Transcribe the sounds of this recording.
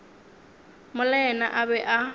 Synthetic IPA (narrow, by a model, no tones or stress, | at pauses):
mʊlɛna̰ʔaβɛʔa